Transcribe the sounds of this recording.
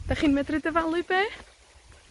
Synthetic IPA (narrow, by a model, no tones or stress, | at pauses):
d̥aχiːnmɛdrɨdəvalˠɨbeː